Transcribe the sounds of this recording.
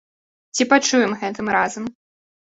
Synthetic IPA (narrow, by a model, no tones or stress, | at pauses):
t͡sʲipat͡ʂujɛmɣɛt̪ɨmɾazɐm